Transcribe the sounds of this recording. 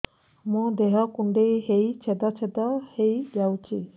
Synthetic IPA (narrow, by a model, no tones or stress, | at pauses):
mũd̪eɦɔkuɳɖejɦejt͡ʃʰed̪ɔt͡ʃʰed̪ɔhejd͡ʒawt͡ʃʰi